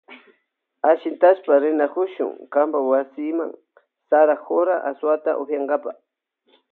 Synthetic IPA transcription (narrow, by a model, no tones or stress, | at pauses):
aʃɪnt̪aspaɾɪnakʊʃʊ̰ŋkambawasɪma̰ŋ | saɾaxoɾaʔaswat̪a̰ʔoxjaɴɢɑpaχ